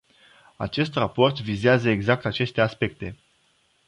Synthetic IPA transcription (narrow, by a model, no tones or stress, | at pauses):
a̰t͡ʃe̞st̪rapo̞rt̪vizeazəeɡzak̚t̪at͡ʃe̞st̪e̞aspe̞k̚t̪e̞